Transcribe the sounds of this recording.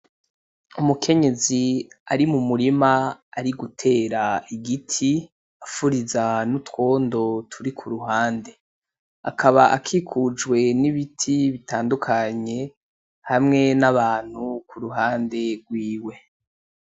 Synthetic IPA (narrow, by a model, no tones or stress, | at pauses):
umukʰe̞ɲe̞ziaɾimumuɾimaaɾiɡutʰe̞ːɾaiɡitʰi | afuɾizanutwo̞ːndo̞tʰuɾikʰuɾuɦaːnde̞ | a̰kʰaβaʔakʰikʰud͡ʒɡwe̞niβitʰiβitʰaːndukʰaɲe̞ | hamŋe̞naβaːn̥hukuɾuɦaːnde̞ɡwiːwe̞